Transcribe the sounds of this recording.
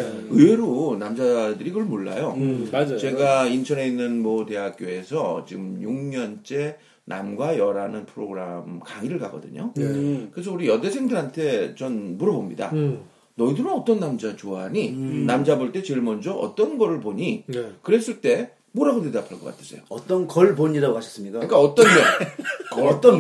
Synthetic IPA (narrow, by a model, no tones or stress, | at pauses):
ɯe̞ɾonamd͡ʑadɯɾiɡʌɭmoɭːa̰joat͡ɕe̞ɡaintʰʌɾe̞inːɯnmʌte̞ɦak͈̚joe̞sʰʌt͡ɕiɡɯmjuŋɲʌnt͡ɕ͈e̞ | nʔa̰mɡwajʌɾanɯnpʰɯɾoɡɯɾamkaŋiɾɯɭkaɡʌdɯ̰ɲo̰kɯes̬ʰʌuɾijʌde̞sʰe̞ŋdɯɾɦantʰe̞t͡ɕʌnmuɾʌbomɲḭda̰ | nʌidɯnɯnʌt͈ʌnːamd͡ʑat͡ɕoɦaɲinamd͡ʑaboɭt͈e̞t͡ɕeɭmʌnd͡ʑʌʔʌ̰t͈ʌnɡʌɾɯɭboɲikɯɾe̞s͈ɯɭt͈e̞ | moɾaɡodedapʰaɭk͈ʌk͈a̰tʰe̥s͈ʰejoʌt͈ʌnkʌɭboɲiɾaɡokaɕʰʌs͈ɯmɲik͈aik͈aʌt͈ʌnːe | t͈ʌn